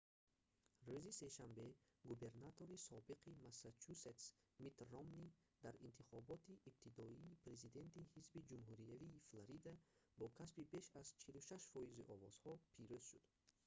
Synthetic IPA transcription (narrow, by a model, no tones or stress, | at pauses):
ruzise̞ʃambe̞ɡube̞ɾnat̪ʰo̞ɾisɔbiqʰimasat͡ʃʰuset̪smit̪romni | d̪aɾint̪ʰiχɔbɔt̪ʰiʔːb̚t̪ʰid̪ɔiːpɾe̞zid̪e̞nt̪ihizbid͡ʒumɦuɾijaviːflaɾid̪abɔkʰasbibe̞ʃazt͡ʃʰiluʃaʃfɔiziʔɔvɔz̥hɔpʰiɾuz̥ʃud̪̥